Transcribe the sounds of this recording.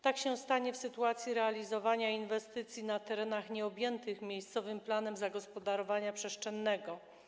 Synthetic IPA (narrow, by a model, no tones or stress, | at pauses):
t̪akɕɛw̃st̪aɲɛfsɘt̪uat̪sʲjiɾɛalʲizɔvaɲainvɛst̪ɘt̪sʲjinat̪ɛɾɛnaxɲɛɔbʲjɛnt̪ɘxmʲjejst̪sɔvɘmplanɛmzaɡɔspɔd̪aɾɔvaɲapʂɛʂt͡ʂɛnːɛɡɔ